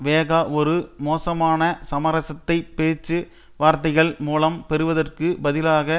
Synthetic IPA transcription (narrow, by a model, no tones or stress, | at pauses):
ʋeːɣaɔɾɯmoːsɐmaːnɐsɐmɐɾɐsɐt̪ːɐɪpːeːt͡ʃːɯ | ʋaːɾt̪ɐɪɣɐɭmuːlɐmpɛɾɯʋɐðɐrkɯbɐðɪlaːɣɐ